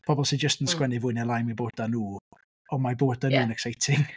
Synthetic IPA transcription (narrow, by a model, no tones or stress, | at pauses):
pʰɔbɔlˠsid͡ʒəstənskwɛnɪvʊnɛlˠajnmiboːd̚d̥anuː | ɔmaboːddanuːənɛksajtʰɪŋ